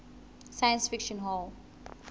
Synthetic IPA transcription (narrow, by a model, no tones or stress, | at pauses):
sajə̃nsfikʃə̃nɦɔl